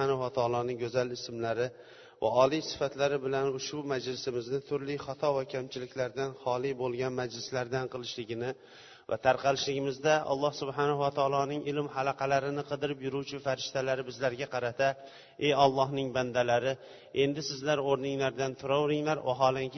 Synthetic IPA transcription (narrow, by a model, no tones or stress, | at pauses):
anahʊwat̪ʰɑːlˠɒnɪŋɡɵzalɪsmlaɾɪ | va̰ɒlijsɪ̥fat̪laɾɪbɪlanʊʃbʊmad͡ʒlɪsɪmɪznɪt̪ʰʊɾlɪχɑt̪ʰɒvakʲʰamt͡ʃʰɪlɪkʲlaɾd̪anhɒlˠibolˠɡʲanmad͡ʒlɪslaɾd̪anqʰɨlˠɪʃlɪɡʲɪnɪ | va̰t̪ʰaɾqʰɑlɪʃlɪɡʲɪmɪzd̪aʔɒ̰lˠːɑhsʊbɦanahʊwat̪ʰɒlˠɒnɪŋɪlɪmhalɑqʰɑlaɾɪnɪqʰɨd̪ɪɾɪpjʊɾut͡ʃʰɪfaɾɪʃt̪alaɾɪbɪzlaɾɡʲaqʰɑɾat̪ʰa | e̞jɒlˠːɒhnɪŋband̪alaɾɪ | e̞nd̪ɪsɪzlaɾoɾnɪŋlaɾd̪ant̪ʰʊɾɒwɾɪŋlaɾwa̰ɦɒlˠaŋkʲ